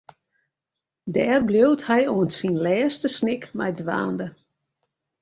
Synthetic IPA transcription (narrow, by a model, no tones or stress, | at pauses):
dɛːrbljowthɛjoənsinlɛːstəsnɪkmɛ̰jdʋa̰ːndə